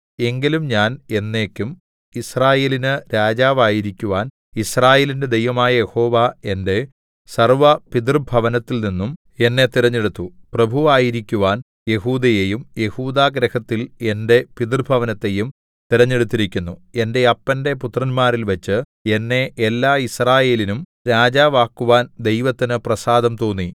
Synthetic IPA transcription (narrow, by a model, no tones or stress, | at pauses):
e̞ŋɡilumɲaːne̞nːe̞ːkʲːum | israːje̞ːlinɨɾaːd͡ʑaːʋaːjiɾikʲːuʋaːn | israːjeːlinde̞d̪ejʋɐmaːjɐje̞ho̞ːʋae̞nde̞ | sɐrʋɐpið̬rbʱɐʋɐnɐt̪ːilninːum | e̞nːe̞t̪iɾɐɲːeɽut̪ːuprɐbʱuʋaːjiɾikʲːuʋaːn | je̞huːd̪ɐjejumje̞huːd̪aːɡɾɐhɐt̪ːile̞nde̞piðrbʱɐʋɐnɐt̪ːe̞jum | t̪iɾɐɲːeɽut̪ːiɾikʲːunːue̞nde̞ɐpːɐnde̞put̪rɐnmaːrilʋɐt͡ɕːɨ | e̞nːe̞ʔelːaːisraːje̞ːlinum | ɾaːd͡ʑaːʋaːkːuʋaːnd̪e̞jʋɐt̪ːinɨprɐsaːd̪ɐmt̪oːnːi